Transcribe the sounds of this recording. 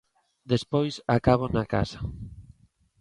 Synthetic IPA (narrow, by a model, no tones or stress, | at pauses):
d̪espojsakaβ̞onaka̰sḁ